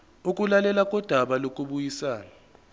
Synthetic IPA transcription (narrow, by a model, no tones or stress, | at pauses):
uk̬ʼulalɛlakʼɔd̥ʱaɓalok̬ʼuɓujisaːna